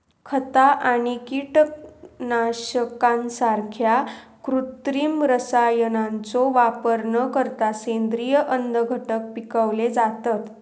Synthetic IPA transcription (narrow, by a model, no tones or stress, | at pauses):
kʰət̪aʔaɽ̃ikiʈək̚naɕəkãnsaɾkʰjakɾut̪ɾimɾəsajənant͡soʋapəɾɳəkəɾt̪asend̪ɾijəʔənd̪əɡʱəʈək̚pikəʋled͡zat̪at̪